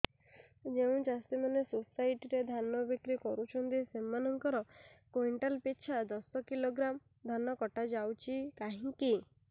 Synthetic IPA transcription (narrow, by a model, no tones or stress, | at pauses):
d͡ʒeũd͡ʒast̪imanesusajʈiɾed̪ʱanɔbikɾikɔɾut͡ʃʰɔnt̪isemanɔŋkɔɾɔkojɳʈalpet͡ʃʰad̪ɔsɔkiloɡɾam | d̪ʱanɔkɔʈad͡ʒawt͡ʃʰikaɦĩki